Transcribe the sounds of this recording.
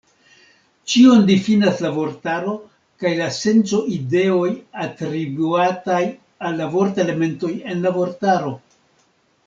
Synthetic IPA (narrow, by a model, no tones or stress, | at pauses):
t͡ʃio̞ndifinaslavo̞ɾtaɾo̞ | kajlase̞nt͡so̞ʔide̞o̞jatɾibuataj | alːavo̞ɾte̞le̞me̞nto̞je̞nlavo̞ɾtaɾo̞